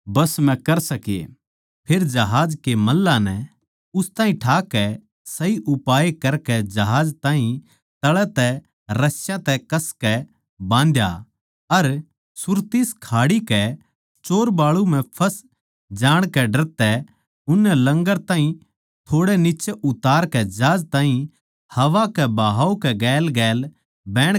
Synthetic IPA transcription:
bɐsmɛ̃kɐɾsɐkḛ | pʰeːɾd͡ʒɐɦaːd͡ʒkemɐlːanɛ | ʊst̪aːɦĩʈʰaːkɛ | sɐiʔʊpaːekɐɾkɛd͡ʒɐɦaːd͡ʒt̪ãːɦĩ | t̪ɐɭɛt̪ɛ | ɾɐsjãt̪ɛkɐskɛ | bãːnd̪ja̰ | ɐɾ | sʊɾt̪ɪskʰaːɽikɛ | t͡ʃoːɾbaːɭum̤ɛ̃pʰɐs | d͡ʒaːɽ̃kɛɖɐɾt̪ɛ | ʊnːɛlɐ̃ŋɡəɾt̪ãːɦĩ | t̪ʰoːɽɛnɪt͡ʃeʔʊt̪aːɾkɛd͡ʒaːd͡ʒt̪ãːɦĩ | hɐʋakɛbaːɦaːokɛɡɛːlɡɛːl | bɛːɽ̃

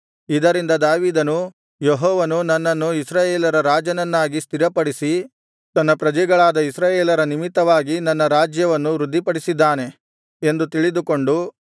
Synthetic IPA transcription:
id̪ɐɾind̪ɐd̪aːʋiːd̪ɐnu | jeɦɔːʋɐnunɐnːɐnːuisɾaːjeːlɐɾɐɾaːd͡ʒɐnɐnːaːɡist̪iɾɐpɐɽisi | t̪ɐnːɐpɾɐd͡ʒɛɡɐɭaːd̪ɐisɾaːjeːlɐɾɐnimit̪ːɐʋaːɡinɐnːɐɾaːd͡ʒjɐʋɐnːuɾud̪ʱːipɐɽisid̪ːaːne̞ | end̪ut̪iɭid̪uko̞ɳɖu

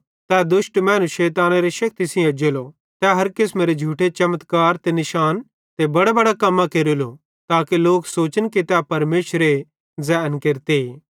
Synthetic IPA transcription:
t̪ɛːd̪ʊʃʈmɛ̃ːnuʃeːt̪aːnaɾeʃɐk̚t̪isĩɐd͡ʒeːlo | t̪ɛɦɐɾkɪsmeːɾed͡ʒʱuːʈʰet͡ʃɐmət̪kaːɾt̪enɪʃaːn | t̪ebɐɽabɐɽakɐmːakeːɾolo | t̪aːkeloːksoːt͡ʃənkit̪ɛpɐɾmeːʃɾe | zɛnkeɾt̪eeː

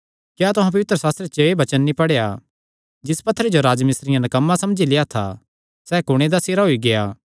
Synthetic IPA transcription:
kjaːt̪ʊɦãp̬ɐʋɪt̪ɾəsaːst̪ɾet͡ʃoebɐt͡ʃənːipɐɽeja | d͡ʒɪspɐt̪ʰːəɾed͡ʒoɾaːd͡ʒmɪsɾɪjãnɐkɐmːasɐmd͡ʒilɪjat̪ʰa̰ | sɛːkʊɽ̃ed̪aseːɾaɦoiɡejaː

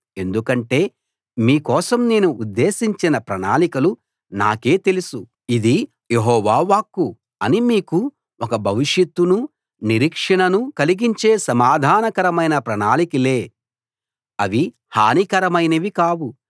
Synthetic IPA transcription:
e̞nd̪ukɐɳʈe̞ː | miːkɔːsɐmneːnuʔud̪ːe̞ːsiɲt͡ʃinɐpɾɐna̰ːlikɐlu | na̰ːke̞ːt̪e̞lusu | id̪i | jeɦɔːʋaːʋaːkːu | ɐnimiːku | ɔkɐbʱɐʋiʂjɐt̪ːunu | niɾikʂɐɳɐnukɐliɡiɲt͡ʃe̞ːsɐmaːd̪ʱaːnɐkɐɾɐmɐjnɐpɾɐnaːlikile̞ː | ɐʋi | haːnikɐɾɐmɐjnɐʋikaːwu

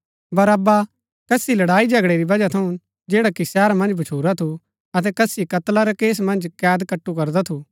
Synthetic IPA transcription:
bɐɾaba | kɐsilɐɽaːid͡ʒɐɡɽeɾibɐd͡ʒat̪ʰɐũ | d͡ʒeːɽakisɛːɾamɐ̃nd͡ʒbʱɐt͡ʃʰuːɾat̪ʰu | ɐt̪̬ɛkɐsikɐt̪laɾakeːs̬mɐ̃nd͡ʒkɛːd̪kɐʈːukɐɾd̪at̪ʰuː

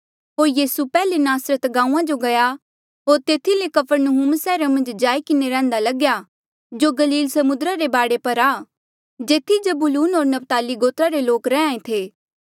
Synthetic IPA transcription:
ɦoːɾjiːsupɛːlenaːsɾət̪ɡãːũãd͡ʒoɡɐja | ɦoːɾt̪eːt̪ʰilekɐpʰəɾnəɦumsɛːɾamɐ̃nd͡ʒd͡ʒaːikɪneɾɛ̃ːnd̪alɐɡja | d͡ʒoɡɐliːlsɐmʊd̪ɾaɾebaːɽepɐɾaː | d͡ʒeːt̪ʰid͡ʒɐbʊluːnɦoːɾnɐpt̪aːliɡoːt̪ɾaɾeloːkɾɛãːẽt̪ʰeː

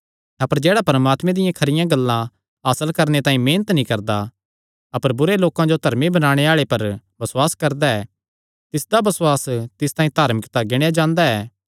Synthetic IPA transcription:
ɐpəɾd͡ʒɛːɽapɐɾəmaːt̪mɛ̃d̪ɪjãkʰɐɾɪjãɡɐlːã | aːsəlkɐɾnet̪ãːĩmeːnət̪nĩkɐɾd̪a | ɐpəɾbʊɾeloːkãd͡ʒod̪ʱɐɾmibɐnaːɽ̃eaːɭepɐɾbɐswaːskɐɾd̪aɛː | t̪ɪsd̪abɐsʊwaːst̪ɪst̪ãːĩt̪aːɾmɪkt̪aɡeːɽ̃ejad͡ʒãːnd̪aɛː

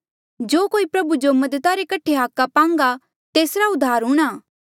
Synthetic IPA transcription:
d͡ʒoːkoːipɾɐbud͡ʒomɐd̪ət̪aɾekɐʈʰːeɦaːkːapãːŋ̆ɡa | t̪eːsɾaʊd̪ʱːaːɾɦũɽ̃aː

